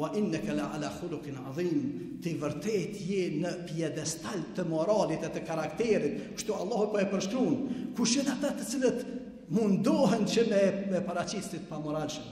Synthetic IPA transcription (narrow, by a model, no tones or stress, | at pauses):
waʔinːəkaliʕalaːxʊlʊqinʕɑðiːm | t̪ivəɾt̪ɛt̪jɛnəpjɛd̪ɛst̪alt̪əmɔɾaːlit̪ɛt̪əkaɾakt̪ɛɾit̪̚kə̥ʃt̪uɑlˠːɑːhupɔɛpəɾʃt̪ɾunkuʃənat̪at̪ət͡silət̪ | mund̪ɔɦɛnt͡ɕəmɛmɛpaɾat͡ɕitsit̪̚pamɔɾalʃəm